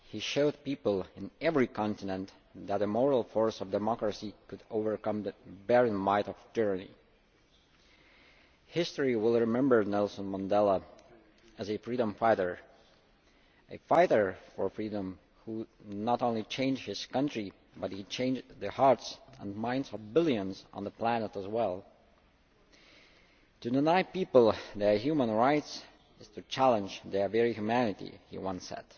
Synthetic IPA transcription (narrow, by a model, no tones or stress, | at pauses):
hiʃoʊd̚pipəl̩ˠɨ̃nɛvɹikʰɑ̃ntɨnɨ̃nt | ðæt̪əmɔɹl̩ˠfɔɹsʌvdɨmɑkɹəsikʰɨdoʊvə˞kʌ̃mðɨbɛɹɨ̃nmaɪɾʌv̥d͡ʒɜ˞nḭ | hɪstəɹiwɪlˠɹɨmɛ̃mbə˞nɛlˠsə̃nmə̃ndɛlˠə | ɨzɨfɹiɾə̃mfaɪɾə˞ | ʔɨ̰faɪɾə˞fə˞fɹiɾə̃m | hunəɾõʊ̃nlit͡ʃʰẽɪ̃nd͡ʒhɪz̥kʌ̃ntɹ̥i | bʌt̚hit͡ʃʰẽɪ̃nd͡ʒðɨhɑɹtsə̰̃nmãɪ̃ndzʌvbɪlˠjə̃nz̰̃n̩ðəpʰl̥ænəɾəzwɛlˠ | tɨdɪnaɪpipl̩ˠðə˞ɦjumə̃nɹaɪts | ɨz̥tʰɨt͡ʃʰælˠə̃nd͡ʒðə˞vɛɹihjʉmænɨtḭhḭwʌ̃nsɛ̰d̥